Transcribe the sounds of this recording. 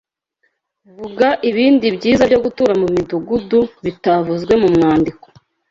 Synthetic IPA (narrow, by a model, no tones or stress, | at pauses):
vuɡaʔiβiːndibɟiːzabɟo̞ɡutuɾamumiduɡuduβitavuzɡwe̞mumŋaːndiko̥